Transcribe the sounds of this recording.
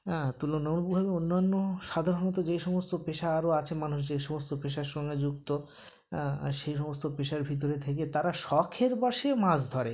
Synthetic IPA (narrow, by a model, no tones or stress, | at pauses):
t̪ulonomlbubʱabeonːanːoʃad̪ʱaɾonot̪̬od͡ʑejʃɔmost̪opeʃaaɾoat͡ɕʰemanuʃd͡ʑejʃɔmost̪opeʃaɾʃɔŋɡed͡ʑuk̚t̪o̰ | ʃejʃɔmost̪opeʃaɾbʱit̪̬oɾet̪ʰek̬et̪aɾaʃɔkʰeɾbaʃemãsd̪ʱɔɾe